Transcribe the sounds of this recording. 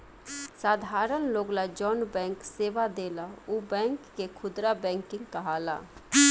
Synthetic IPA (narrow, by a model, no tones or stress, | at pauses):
saːd̪ʱaːɾənloːɡlad͡ʒɔːnbɛ̃ːŋkseːʋad̪eːlauːbɛ̃ːŋkːekʰʊd̪ɾabɛ̃ːŋkɪ̃ŋɡkaɦaːla̰ː